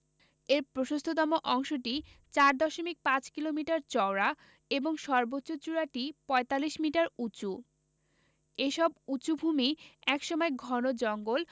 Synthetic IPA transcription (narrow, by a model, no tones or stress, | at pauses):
eɾpɾoʃost̪ʰot̪ɔmoʔɔŋʃoʈit͡ɕaɾd̪ɔʃomik̚pãt͡ɕkilomiʈaɾt͡ɕɔwɾa | eboŋʃɔɾbotːɕot͡ɕuɾaʈipɔet̪alːiʃmiʈaɾut͡ɕu | eʃɔbut͡ɕubʱumiɛkʃɔmɔeɡʱɔnod͡ʑɔŋɡol